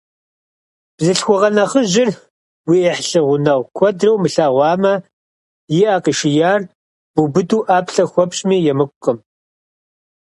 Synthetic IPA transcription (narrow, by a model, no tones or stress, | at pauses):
b̥zɨɬxʷɔʁɐnɐχəʒɪr | wiːɛħɬɨʁʷʊnɐwkʷʰɔdrɐwmɨɬaːʁʷɑːmɐ | jɪʔaːqəʃɪjaːr | b̥ubɨduːʔaːpɬɐxʷɔpɕmiːjɛmɨkʷʼʊqʼəm